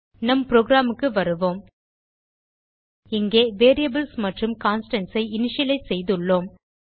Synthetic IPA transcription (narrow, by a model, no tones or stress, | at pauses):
nɐmpɾoːɡɾaːmɯkːɯʋɐɾɯʋoːm | ɪŋɡeːʋeːɾijɐbɪlsmɐʈrɯmkaːnsʈɐnsɐɪɪnɪʂɪɐlɐɪsɛjðɯɭːoːm